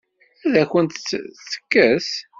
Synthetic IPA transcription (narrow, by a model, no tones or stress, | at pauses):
æðæçənt̪t͡sːə̥kːæs